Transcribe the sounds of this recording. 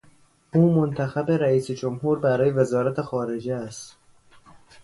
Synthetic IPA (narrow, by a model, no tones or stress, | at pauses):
ʔuːmo̞nt̪ʰæxæbe̞ɾæiːsed͡ʒomhuːɾbæɾɒːjeve̞zɒːɾæt̪ʰe̞xɒːɾe̞d͡ʒeæst̪